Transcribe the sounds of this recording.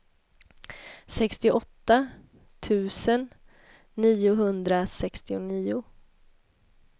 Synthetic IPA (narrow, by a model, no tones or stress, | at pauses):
sɛkst̪ɪʔɔt̪ːa | t̪ʰʉ̟ːsənː | iːʊɦɵnd̪ɾasɛkst̪ɪʊniːʊ